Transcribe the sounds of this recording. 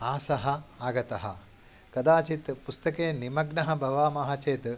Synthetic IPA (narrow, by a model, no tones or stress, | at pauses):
aːsɐɦɐaːɡɐt̪ɐɦɐ | kɐd̪aːt͡ʃit̪pust̪ɐkeːnimɐɡnɐɦɐ̆bʱɐʋaːmɐɦat͡ʃeːt̪